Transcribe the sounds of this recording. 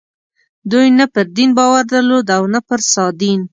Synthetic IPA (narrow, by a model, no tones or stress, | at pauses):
d̪ujnapəɾd̪inbɑwaɾd̪əlod̪awnapəɾsɑd̪in